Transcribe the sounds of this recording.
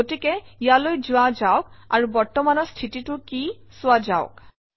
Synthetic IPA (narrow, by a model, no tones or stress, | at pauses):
otikɛijalojzʊwad͡ʒawk̚aɹubɔɹtɔmanɔɹstʰititʊkisʊad͡ʒaʊ̰k